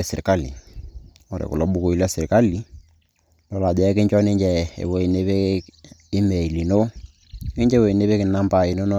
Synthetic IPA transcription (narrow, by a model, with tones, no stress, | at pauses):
ɛ˦˨sɪ˨ɾka˦lḭ˨ | ɔ˨ɾḛ˨kʊ̰˨lɔ˨˦ɓu˦ko˨˦i˦lɛ˦sɪ˨ɾka˦li˦ | lɔ˨la˨d͡ʒɛ˨˦ɛ˦kɪ˦ɲt͡ʃɔ˦nɪ˦ɲd͡ʒɛ˨ḛ˨wo˦i˨ne˦be˦ | ɪ˦me˨i˨li˨no˦ | kɪ˦ɲd͡ʒɛ˦wo˨i˨ne˦be˦kɪ˨na˦mba˨i˨no˦n˦